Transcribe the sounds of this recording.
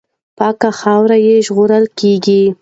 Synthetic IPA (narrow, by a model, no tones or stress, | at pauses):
pɑkaxɑwɾajeʒɣoɾəlkeɡi